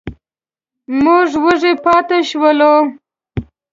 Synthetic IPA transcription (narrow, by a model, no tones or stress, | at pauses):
mʊʐwəʐepɑt̪eʃwəlo